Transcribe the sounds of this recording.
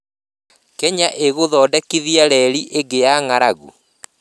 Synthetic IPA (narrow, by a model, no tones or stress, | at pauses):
kɛɲaʔeɣoðɔːdɛkiðiaɾɛɾiʔeɡejaŋaɾaɣṵ